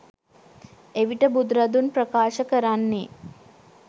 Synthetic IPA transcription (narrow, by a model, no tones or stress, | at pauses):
eʋiʈəbud̪ɾɐd̪unpɾəkaːʃəkəɾanːe